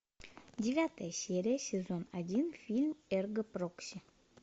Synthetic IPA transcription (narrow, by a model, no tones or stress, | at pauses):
dʲɪvʲat̪əjəsʲeɾʲɪjəsʲɪzo̞nɐdʲinfʲilʲmerɡəproksʲi